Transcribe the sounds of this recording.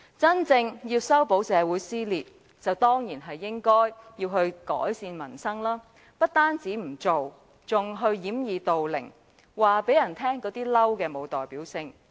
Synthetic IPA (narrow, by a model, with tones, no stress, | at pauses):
t͡sɐ˥nt͡sɪ˧ŋjiː˧wsɐ˥wpo˨˥wsɛː˨˧wuː˨˥jsiː˥liː˨˩t̚ | t͡sɐ˨wt̪ɔː˥ŋjiː˨˩nɦɐ˨jːɪ˥ŋkɔː˥jjiː˧wɦɵ˧ɥkɔ̰ː˨˥jsiː˧nmɐ˨˩nsɐ˥ŋlaː˥ | pɐ˥t̚t̪aː˥nt͡siː˨˥m̩˨˩t͡so˨w | t͡sʊ˨ŋɦɵ˧ɥjiː˨˥mjiː˨˧t̪o˨wlɪ̰˨˩ŋ | waː˨pe˨˥jɐ˨˩nt̪ʰɛː˥ŋkɔː˨˥t̪iː˥lɐ˥wkɛː˧mo˨˧wt̪ɔː˨jpiː˨˥wsɪ˧ŋ